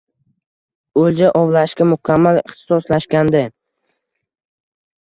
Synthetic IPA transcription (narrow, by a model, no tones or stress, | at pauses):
old͡ʒaʔɒwlaʃkʲamʊkʲʰamːalɪχt̪ʰɪ̥sɒslaʃkʲand̪ɪ